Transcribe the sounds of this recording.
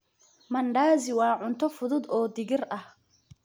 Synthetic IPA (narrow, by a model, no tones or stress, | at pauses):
mɐɳɖaːzɪwɑːʕʊnt̪ʰɔfʊðʊd̪ɔːd̪ɪɣɪrɐh